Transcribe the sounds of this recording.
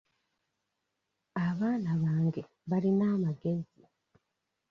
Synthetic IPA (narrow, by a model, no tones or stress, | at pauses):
aβaːnaβaːŋɡe̞ | βalinaːmaɡe̞zi